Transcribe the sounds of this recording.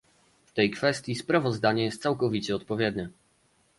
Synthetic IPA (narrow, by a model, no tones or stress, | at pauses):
ft̪ɛjkfɛst̪ʲjispɾavɔzd̪aɲɛjɛst̪sawkɔvʲit͡ɕɛɔt̪̚pɔvʲjɛd̪nɛ